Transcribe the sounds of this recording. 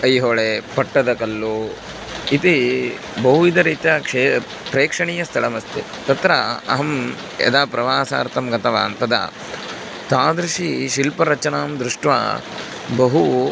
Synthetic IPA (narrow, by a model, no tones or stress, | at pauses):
ɐjɦoːɭepɐʈːɐd̪ɐkɐlːu | it̪i | bɐɦuid̪ɐɾiːt̪jɐkʂe | pɾeːkʂɐɳiːjɐst̪ʰɐɭɐmɐst̪i | t̪ɐt̪ɾɐɐ̰ɦɐm | ɐ̰d̪aːpɾɐʋaːsa̰ːɾt̪ɐmɡɐt̪ɐʋa̰ːnt̪ɐd̪ɐ̰ | t̪aːd̪ɾuʃiʃilpɐɾɐt͡ʃɐnaːmd̪ɾuʂʈʋa̰ | bɐɦu